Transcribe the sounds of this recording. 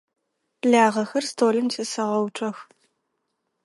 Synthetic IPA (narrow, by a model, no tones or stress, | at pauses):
ɮaːʁɐxɐrstʰoːlɨmtʰɐsɐʁɐwʈ͡ʂʷʼɐx